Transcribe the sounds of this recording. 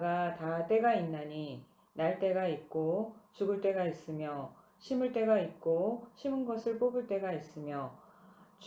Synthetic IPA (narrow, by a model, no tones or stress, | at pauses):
ɡatat͈e̞ɡainːaɲi | naɭt͈e̞ɡaik̚k͈ot͡ɕuɡɯɭt͈e̞ɡais͈ɯmjʌ | ɕʰimɯɭt͈e̞ɡait̚k͈oɕʰimɯnɡʌsʰɯɭp͈oɡɯɭt͈e̞ɡais͈ɯmjʌ | t͡ɕ